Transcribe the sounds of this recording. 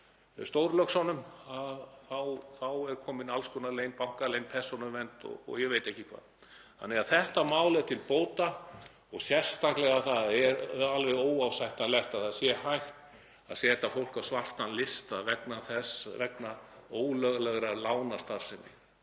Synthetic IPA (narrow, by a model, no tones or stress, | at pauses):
st̪owɾlœksɔnːʏmaðθawθawɛɾkʰɔːmɪnalskɔnaleːjnpawŋ̥kalejnpʰɛ̥sɔnʏvɛnt̪ɔ̰ɔ̰ɣjɛvejt̪ɛhcɪkʰva̰ːð | hanːɛaðθɛht̪amaːwlɪt̪ʰɪlpoːwt̪a | ɔɣsjɛr̥st̪aklɛɣaθaðɛɾalvɛðoːwawsajht̪alɛht̪aðθaðsjɛhajxt̪ | a̰ðsjɛːt̪afowl̥kawsvar̥t̪anlɪst̪aðvɛknaθɛsvɛknaoːwlœɣlɛɣɾalaːwnast̪aɾ̥sɪnːɪ̰